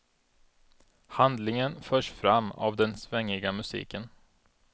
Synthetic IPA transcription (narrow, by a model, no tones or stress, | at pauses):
hand̪lɪŋənfœːʂfɾamːa̰vd̪ɛnsvɛŋːɪɡamɵsḭːkən